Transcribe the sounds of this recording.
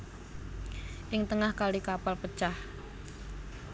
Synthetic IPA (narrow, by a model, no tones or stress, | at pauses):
ʔɪŋt̪əŋahkalikapalpət͡ʃah